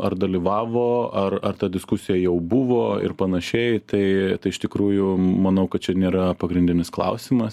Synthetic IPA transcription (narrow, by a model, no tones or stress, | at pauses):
ʔɐrd̪ɐlʲiʋɑːʋoːɐrɐrt̪ɐd̪ʲɪskʊsʲɪjɛjɛʊbʊʋoːɪ̰rpɐnɐʃʲɛɪt̪ɐɪt̪ɐɪɪʃt̪ʲɪkɾuːjʊmɐnɐʊkɐt̪̚t͡ʃʲɛnʲeːɾɐpɐɡɾʲɪnd̪ʲɪnʲɪsklˠɐ̰ʊsʲɪmɐs